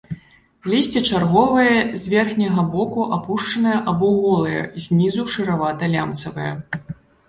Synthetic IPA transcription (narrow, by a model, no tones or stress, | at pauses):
lʲisʲt͡sʲit͡ʂarɣɔvɐjɐzʲvʲɛrxnʲɐɣɐbɔkuʔapuʂt͡ʂɐnɐjɐʔɐbɔɣɔlˠɐjɐ̰zʲnʲizuʂɨɾavat̪ɐlʲa̰mt̪sɐvɐjɐ̰